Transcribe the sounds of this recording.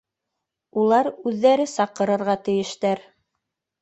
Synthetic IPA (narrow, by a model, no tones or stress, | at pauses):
ulˠɑɾʉðːæɾɘsɑqɤ̆ɾɤ̆ɾʁɑt̪ɘ̆jɘ̆ʃt̪æɾ